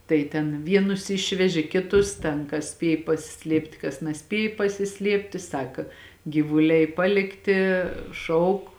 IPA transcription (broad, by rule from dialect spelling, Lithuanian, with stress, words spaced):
ˈtɐɪ tʲɛn ˈʋʲiɛnʊs ˈɪʃʲʋʲɛʒʲɪ kʲɪˈtʊs ˈtʲɛn kɐs ˈsʲpʲiɛj pɐsʲɪˈsʲlʲiɛpʲtʲ kɐs nɐˈsʲpʲiɛj pɐsʲɪˈsʲlʲiɛpʲtʲɪ ˈsɑːkɐ ɡʲiːʋʊˈlʲɛɪ ˈpɑːlʲɪktʲɪ ˈʃɐʊk